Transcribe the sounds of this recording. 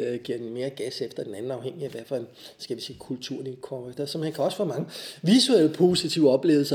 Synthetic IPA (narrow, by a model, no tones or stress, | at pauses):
ɡ̥iɐd̥enme̝ːɐɡ̥æsefd̥ɐd̥enænn̩ɑ̈ʊheŋ̰iæʋæɐ̰fæsɡ̥æʋisiːkʰult͡sʰuɐ̰nikʰɒed̥ɐsɒ̽mhænkʰæɒ̽sfɒ̰ːmɑ̈ŋəʋisuel̰əpʰo̝ːsit͡sʰiʊɒ̽b̥le̝̰ːl̩sɐ